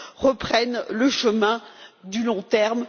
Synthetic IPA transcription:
ʁəpχɛnləʃəmɛ̃d̪ylɔ̃t̪ɛʁm

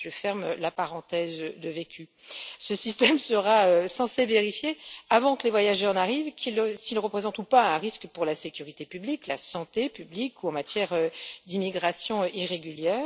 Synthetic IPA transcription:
ʒəfɛʁmlapaʁɑ̃t̪ɛzd̪əvekʲʰysəsist̪ɛmsəʁaøsɑ̃seveʁifjeavɑ̃kəlevwajaʒœʁnaʁivkʰilsilʁəpχezɑ̃t̪upaɛ̃ʁiskpuʁlasekʲyʁit̪epybliklasɑ̃t̪epyblikuɑ̃mat̪jɛʁød̪imiɡʁasjɔ̃iʁeɡʲyljɛːʁ

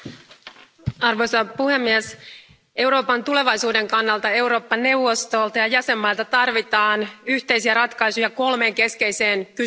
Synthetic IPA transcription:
ɑrʋo̞jsɑpuhe̞mːies | ʔe̞wɾo̞ːpɑnt̪ule̞ʋɑjsuːde̞ŋkɑnːɑlt̪ɑe̞wɾo̞ːpːɑnːe̞uwʋo̞st̪o̞ːlt̪ɑjɑjæse̞mːɑlt̪ɑt̪ɑrʋit̪ɑːnyht̪e̞jsiæɾɑt̪kɑjsujɑko̞lme̞ːŋke̞ske̞jse̞ːnky

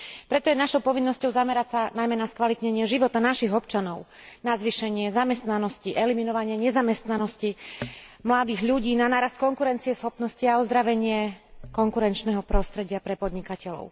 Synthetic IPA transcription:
pɾɛt̪ɔjɛnaʃɔʊpɔʋinːɔscɔʊzamɛɾasanajmɛnaskʋalit̪ɲɛɲɪɛʒiʋɔt̪anaʃiɣɔp̚t͡ʃanɔʊ | nazʋiʃɛɲɪɛzamɛst̪nanɔsciʔɛliminɔʋaɲɪɛɲɛzamɛst̪nanɔsci | mlad̪iːɣʎuɟiːnanaːɾast̪̚kɔŋkuɾɛnt͡siɛsxɔpnɔsciaɔzd̪ɾaʋɛɲɪɛkɔŋkuɾɛnt͡ʃnɛɦɔpɾɔst̪ɾɛɟɪapɾɛpɔd̪ɲikacɛlɔ̰ʊ

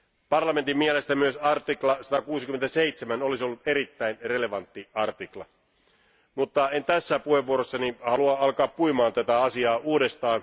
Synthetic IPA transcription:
pɑrlɑment̪imːiele̞st̪æmyøsɑrt̪iklɑsɑt̪ɑkuːsik̟yment̪æse̞it̪semæno̞lisio̞lːut̪e̞ɾit̪ːæinre̞le̞ʋɑnt̪ːiɑrt̪iklɑ̰ | mut̪ːɑent̪æsːæpuheʋːuoɾosːɑnihɑluɑɑlkɑːppuimɑːnt̪æt̪æɑsiɑːuːde̞st̪ɑːn

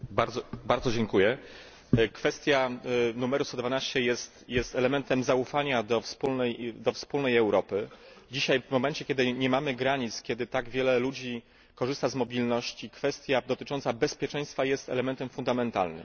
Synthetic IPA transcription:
baɾd̪zɔbaɾd̪zɔd͡ʑɛŋkujɛ | kfɛst̪ʲjanumɛɾust̪ɔd̪vanaɕt͡ɕɛjɛst̪jɛst̪ɛlɛmɛnt̪ɛmzaufaɲad̪ɔfspulnɛjd̪ɔfspulnɛjɛwɾɔpɘd͡ʑiɕajvmɔmɛnt͡ɕɛkʲjɛd̪ɘɲɛmamɘɡɾaɲit̪skʲjɛd̪ɘt̪aɡvʲjɛlɛlud͡ʑi | kɔʐɘst̪azmɔbʲilnɔɕt͡ɕikfɛst̪ʲjad̪ɔt̪ɘt͡ʂɔnt̪sabɛspʲjɛt͡ʂɛ̃j̃st̪fajɛst̪ɛ̰lɛmɛnt̪ɛmfund̪amɛnt̪a̰lnɘ̰m

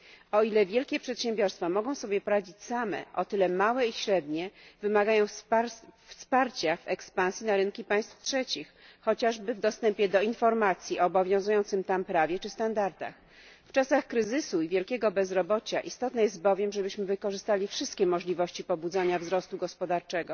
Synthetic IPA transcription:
ɔilɛvʲjɛlkʲɛpʂɛt̪ɕɛ̃mbʲjɔɾst̪famɔɡɔ̃w̃sɔbʲjɛpɔɾad͡ʑit͡ɕsamɛ̰ʔɔt̪ɘlɛmawɛiɕɾɛd̪ɲɛvɘmaɡajɔ̃w̃ | fspaɾt͡ɕavɛkspãñsʲjinaɾɘnkʲipaj̃st̪ftʂɛt͡ɕixːɔt͡ɕaʐbɘvd̪ɔst̪ɛmpʲjɛd̪ɔinfɔɾmat̪sʲjiɔːbɔvʲjɔ̃w̃zujɔnt̪sɘmt̪ampɾavʲjɛt͡ʂɘst̪and̪aɾt̪a̰x | ft͡ʂasaxkɾɘzɘsuivʲjɛlkʲɛɡɔbɛzɾɔbɔt͡ɕaʔist̪ɔt̪nɛjɛst̪̚bɔvʲjɛmʐɛbɘɕmɘvɘkɔʐɘst̪alʲifʂɘst̪kʲɛmɔʐlʲivɔɕt͡ɕipɔbud̪zaɲavzɾɔst̪uɡɔspɔd̪aɾt͡ʂɛɡɔ

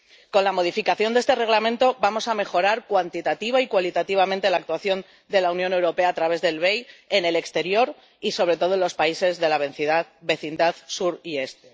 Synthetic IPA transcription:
ko̞nlamo̞ðifikaθjo̞nd̪eest̪e̞re̞ɣ̞lamẽ̞nt̪o̞bamo̞same̞xo̞ɾaɾkwant̪it̪at̪iβaikwalit̪at̪iβ̞amẽnt̪e̞lak̚t̪waθjo̞n | d̪e̞launjõ̞ne̞wɾo̞pe̞aːt̪ɾaβe̞zðe̞lβe̞je̞ne̞le̞kst̪e̞ɾjo̞ɾ | iso̞β̞ɾe̞t̪o̞ðonlo̞spaise̞zðe̞laβeθiðabe̞θind̪aðsuɾie̞st̪e

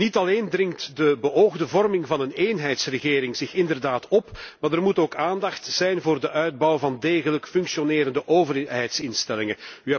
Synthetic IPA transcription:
nitɑleːndrɪŋtdəbəoːɣdəvɔrmɪŋvɑnəneːnɦɛjtsrəɣeːɾɪŋzɪxɪndərdaːtɔpmaːdərmutoːkaːndɑxtz̥ɛjnvoːrdəʔœɥd̚bɑwvɑndeːɣələkfʏŋksioneːɾəndəʔoːvərɦɛjtsɪnstɛlɪŋənyɛ

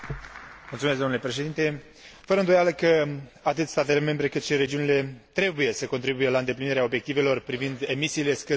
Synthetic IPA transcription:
mult̪sumesɡd̪onule̞pɾe̞ʃed̪int̪e̞ | fəɾəɨnd̪o̞jaləkəat̪ɨt̪ʲst̪at̪e̞le̞me̞mbɾe̞kɨt̪ʃiɾe̞d͡ʒiunile̞t̪ɾe̞buje̞səko̞nt̪ɾibuje̞laɨnd̪e̞pliniɾeao̞bje̞k̚t̪ive̞lo̞rpɾivind̪e̞misiːle̞skɨ

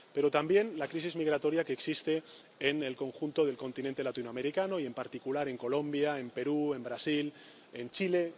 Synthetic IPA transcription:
pe̞ɾo̞t̪ambje̞nlakɾisizmiɣ̞ɾat̪o̞ɾjakeːksist̪e̞ | ene̞lko̞ŋxunt̪o̞ðe̞lko̞nt̪inent̪e̞lat̪inoame̞ɾikano̞ie̞mpaɾt̪ikulaɾe̞ŋko̞lo̞mbjaempe̞ɾue̞mbɾasil | ent͡ʃile̞

